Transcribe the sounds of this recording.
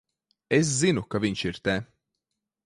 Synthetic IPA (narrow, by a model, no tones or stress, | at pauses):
es̬zinukavʲiɲʃiɾt̪ɛ